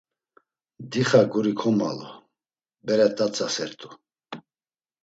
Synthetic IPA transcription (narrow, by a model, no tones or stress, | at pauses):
d̪iχaɡuɾikʰɔma̰lɔ | bɛɾɛt̪ʼat͡sʰʼasɛɾt̪ʼu